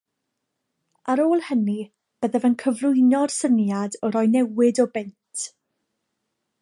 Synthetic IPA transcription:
aɾoːlˠhəni | b̥əðəvənkʰəvlˠʊjnɔr̥sənjadɔɾɔjnɛwɪdɔbɪntʰ

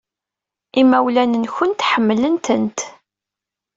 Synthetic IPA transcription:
imæwlænənçʊnt̪ħəmːlənt̪ənt̪

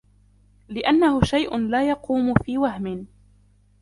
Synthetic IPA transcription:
lɪʔanːahʊʃajʔʊnlaːjɑquːmʊfiːwahmɪn

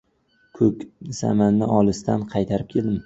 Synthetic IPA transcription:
kʰɵkʲz̥a̰manːɪʔɒlˠɪst̪anqʰɑjt̪ʰaɾɪp̚kʲʰe̞lˠd̪ɪm

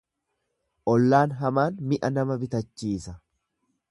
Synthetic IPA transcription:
ʔɔlːaːnɦɐmaːnmɪʔɐnɐmɐbɪt̪ɐt͡ʃːiːsɐ

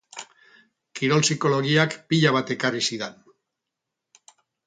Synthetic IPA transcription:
kiɾo̞lsiko̞lo̞ɣiakpiʎaβ̞at̪e̞karisiðen

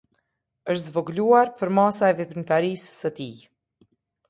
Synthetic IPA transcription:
əʃt̪zvɔɡluaɾpəɾmasaɛvɛpint̪aɾisːət̪i

